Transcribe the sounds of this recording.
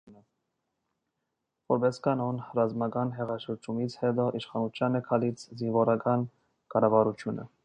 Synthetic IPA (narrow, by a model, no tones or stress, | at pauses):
ə | vɔɾbɛskɑnɔnrɑzmɑkɑnɦɛʁɑʃəɾd͡ʒumit͡sʰhɛd̪ɔʔiʃχɑnut͡sʰjɑnɛkʰɑlit͡sʰzinvɔɾɑkɑn | kɑɾɑvɑɾut͡sʰjunə̰